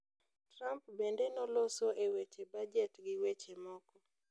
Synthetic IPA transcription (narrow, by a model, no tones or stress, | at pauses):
tɾampbendenɔlosoʔewet͡ʃebad͡ʒɛtɡɪwet͡ʃemɔkɔ